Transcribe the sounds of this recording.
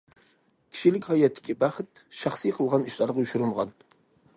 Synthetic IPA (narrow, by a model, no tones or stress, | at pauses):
kʲʰi̥ʃilɪkʲhɑjɛt̪ʰːɪ̥kʲibɑχɨt̪ʃɑχsijqʰəlˠʁɑniʃlˠɑɾʁɑuʃuɾulʁɑn